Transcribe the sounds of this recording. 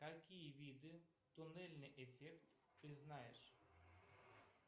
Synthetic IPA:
kakʲijəvʲid̪ɨ | t̪ʊnɛlʲnɨʔefʲɛkt̪ | pʲɪznajḛʂ

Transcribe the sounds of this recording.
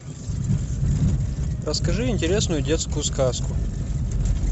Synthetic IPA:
rəskɐʐɨɪnʲtʲɪɾʲesnʊjʊdʲet̪skʊjʊskaskʊ

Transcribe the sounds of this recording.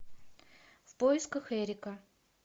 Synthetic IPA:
fpojɪskəxeɾʲɪkə

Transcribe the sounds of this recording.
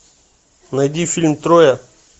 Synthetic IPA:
nɐjd̪ʲifʲilʲmt̪ɾojɐ

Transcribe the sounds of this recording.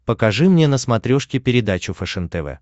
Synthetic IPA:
pəkɐʐɨmnʲenəsmɐt̪ɾʲoʂkʲɪpʲɪɾʲɪd̪at͡ɕʊfɛʂɛnt̪ɛvɛ̰

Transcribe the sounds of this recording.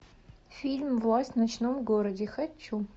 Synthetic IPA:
fʲilʲmvlˠasʲtʲnɐt͡ɕnomɡoɾɐdʲexɐt͡ʃu

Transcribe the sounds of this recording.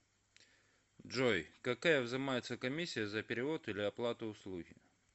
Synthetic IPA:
dʐojkɐkajəvzɨmajɪt̪səkɐmʲisʲːɪjəzəpʲɪɾʲɪvo̞t̪ilʲɪɐplˠat̪ʊʊslˠuɣʲɪ̰

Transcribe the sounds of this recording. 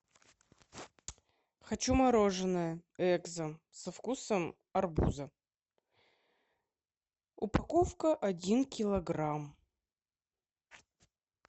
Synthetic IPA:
xɐt͡ɕumɐɾoʐɨnəjəɛɡzə | sɐfkusəm | ɐrbṵzə | ʊpɐkofkəʔɐdʲinkʲɪlˠɐɡɾam

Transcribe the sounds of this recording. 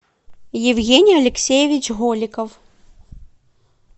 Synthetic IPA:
jɪwɣʲenʲijɐlʲɪksʲejɪvʲit͡ɕɣɔlʲɪkɐw

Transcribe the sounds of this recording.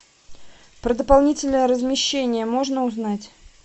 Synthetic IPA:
pɾəd̪əpalˠnʲitʲɪlʲnəjəɾəzmʲɪɕːenʲɪjəmo̞ʐnəʊznatʲ

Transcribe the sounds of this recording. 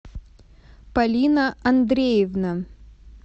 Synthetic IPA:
pɐlʲinɐɐnd̪ɾʲejɪvnɐ

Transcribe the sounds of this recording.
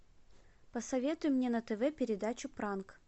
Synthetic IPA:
pəsɐvʲe̞t̪ʊjʊmnʲenət̪ɛvɛpʲɪɾʲɪd̪at͡ɕʊpɾank

